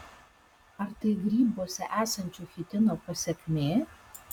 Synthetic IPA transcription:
ɐɾt̪ɐɪɡɾʲiːboɔsʲɛ̰ʔæːsɐnʲt͡ʃʲuːfʲɪt̪ʲɪnoːpɐsʲɛkʲmʲeː

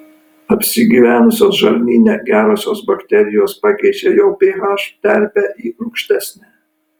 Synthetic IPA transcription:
ɐpʲsʲɪɡʲiːʋʲæːnʊsʲoːsʒɐlʲmʲiːnʲɛɡʲæːɾoːsʲoːsbɐkʲt̪ʲɛɾʲɪjoːspɑkʲɛɪd͡ʒʲeːjɛʊpʲeːʋɑːʃt̪ʲæɾʲbʲæːʔiːʊʊkʃʲt̪ʲæsʲnʲæː

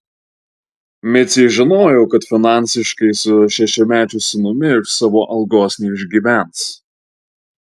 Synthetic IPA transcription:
mʲɪt̪sʲɛɪʒʲɪnoːjɛʊkɐt̪fʲɪnɑˑnʲˑsʲɪʃkɐɪsʊʃʲɛʃʲɛmʲæːt͡ʃʲʊsʲɪnʊmʲɪɪʃsɑːʋoːʔɐlˠɡoːsʲnʲɛːɪʒʲɡʲiːʋʲæˑns

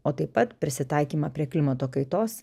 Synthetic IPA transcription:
oːt̪ɐɪpːɐt̪pʲɾʲɪsʲɪt̪ɐˑɪkʲiːmɐpʲɾʲiɛklʲɪmɐt̪oːkɐɪt̪oːs

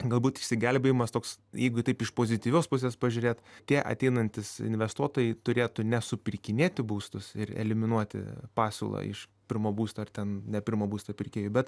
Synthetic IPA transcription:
ɡɐlˠbuːt̪ɪʃʲsʲɪɡʲɛlʲbʲejɪmɐst̪oːksjɛɪɡʊɪt̪ɐɪpɪʃpoːzʲɪt̪ʲiːʋʲoːspʊs̬ʲeːspɐʒʲʊɾʲeːt̪t̪ʲiɛʔɐ̰t̪ʲɛɪnɐnʲt̪ʲɪsɪ̰nʲʋʲɛst̪uɔt̪oːjɛɪt̪ʊɾʲeːt̪ʊnʲɛsʊpʲɪrʲkʲɪnʲeːt̪ʲɪbuːst̪ʊsɪrɛ̰lʲɪmʲɪnuɔt̪ʲɪ̰pɑːsʲṵlˠɐ̰ɪ̰ʃpʲɪɾmoːbuːst̪oːɐrt̪ʲɛnnʲɛpʲɪɾmoːbuːst̪oːpʲɪrʲkʲeːjʊbʲɛt̪

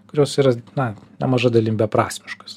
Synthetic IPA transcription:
kʊɾʲoːsiːɾɐnɐnʲɛmɐʒɐd̪ɐlʲinʲbʲɛpɾɑ̰ːsʲmʲɪʃkɐs

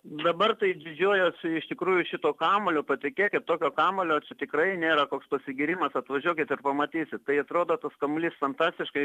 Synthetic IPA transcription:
d̪ɐbɐrt̪ɐɪd̪ʲɪd͡ʒʲoːjoːsɪʃt̪ʲɪkɾuːjʊʃʲɪt̪oːkɑːmolʲoːpɐt̪ʲɪkʲeːkʲɪtt̪oːkʲoːkɑːmolʲoːt͡ʃʲɛt̪ʲɪkrɐɪnʲeːɾɐkoːkspɐsʲɪɡʲɪɾʲiːmɐsɐt̪ʋɐʒʲuɔkʲɪt̪ɪrpɐmɐt̪ʲiːsʲɪt̪t̪ɐɪɐt̪ɾoːd̪oːt̪ɐskɐmlʲiːsfɐnt̪ɑːsʲt̪ʲɪʃkɐɪ

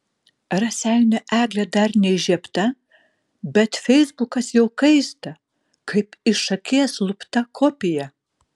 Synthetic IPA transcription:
rɐsʲæjnʲɛʔæːɡlʲɛd̪ɐɾnʲɛɪʒʲiɛpt̪ɐ | bʲɛt̪fʲɛɪzbukɐsjɛʊkɐɪst̪ɐ | kʰɐɪpɪʃɐkʲeːɛslˠʊpt̪ɐkʰoːpʲɪjɛ

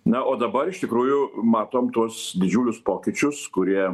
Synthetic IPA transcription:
nɐʔoːd̪ɐbɐɾɪʃt̪ʲɪkɾuːjʊmɑːt̪oːmt̪uɔsd̪ʲɪd͡ʒʲuːlʲʊspoːkʲɪt͡ʃʲʊskʊɾʲiɛ

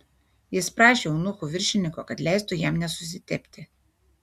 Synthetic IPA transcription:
jaspɾaʃinuxuvirʃinikɔkad̪lʲɛst̪ɔjamɲʲasus̬it̪ɛpt̪ʰɛ

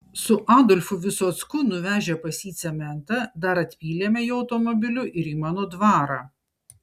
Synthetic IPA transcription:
sʊʔɑːd̪ɔlʲfʊʋʲɪsoːt̪skʊnʊʋʲæːʒʲɛpɐsʲiːt̪sʲɛmʲɛnt̪ɐd̪ɐɾɐt̪ʲpʲiːlʲeːmʲɛjiɐʊt̪omɔbʲɪlʲʊʔɪɾiːmɑːnoːd̪ʋɑːɾɑː

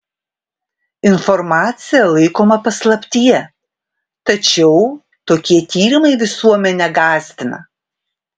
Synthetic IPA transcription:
ɪnfɔɾmɑːt̪sʲɪjɛlˠɐɪkoːmɐpɐslˠɐpʲt̪ʲijɛ | t̪ɐt͡ʃʲɛʊ | t̪oːkʲiɛt̪ʲiːɾʲɪmɐɪʋʲɪsuɔmʲɛnʲɛɡɑːsʲt̪ʲɪnɐ̰

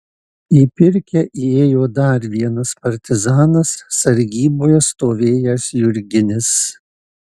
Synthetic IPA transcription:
iːpʲɪɾʲkʲɛʔieːjoːd̪ɐˑɾʲʋʲiɛnɐspɐɾʲt̪ʲɪzɑːnɐsːɐɾʲɡʲiːboːjɛst̪oːʋʲeːjɛsjʊɾʲɡʲɪnʲɪs

